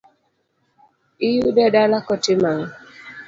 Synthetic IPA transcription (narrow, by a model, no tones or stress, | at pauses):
ijudɛdalakɔtɪmaŋ